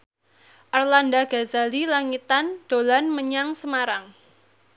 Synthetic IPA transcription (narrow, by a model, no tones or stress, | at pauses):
ʔarlandaɡ̥azalilaŋit̪and̥olanməɲaŋsəmaɾaŋ